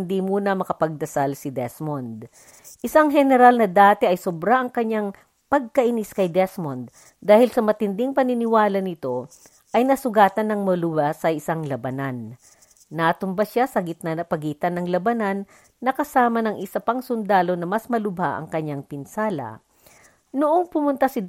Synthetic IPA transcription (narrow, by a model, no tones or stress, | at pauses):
nd̪imuːnɐmɐkɐpɐɡ̚d̪ɐsalsɪd̪ɛsmond̪ | ʔɪsaŋɦɛnɛɾalnɐd̪aːt̪ɛʔɐjsobɾaʔɐŋkɐɲːaŋ | pɐɡ̚kɐʔɪniskɐjd̪ɛsmond̪̚ | d̪aːhɪlsɐmɐt̪ɪnd̪ɪŋpɐnɪnɪwaːlɐnɪt̪o̞ | ʔɐjnɐsʊɡaːt̪ɐnːɐŋmɐlʊbasɐʔɪsaŋlɐbɐnanː | ɐt̪ʊmbaʃasɐɡɪt̪̚nanɐpɐɡiːt̪ɐnːɐŋlɐbɐnanː | ɐkɐsaːmɐnɐŋʔɪsɐpɐŋsʊnd̪aːlo̞nɐmɐsmɐlʊbaʔɐ̰ŋkɐɲaŋpɪnsaːlɐ̰ | nʊʔoŋpʊmʊnt̪asɪ